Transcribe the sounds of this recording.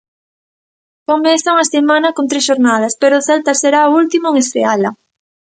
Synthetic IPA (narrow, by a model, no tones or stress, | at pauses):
komenθaŋasemãnɐkont̪ɾesʃoɾnað̞ɐspeɾoθɛlt̪ɐseɾaoult̪imoeŋest̪ɾealɐ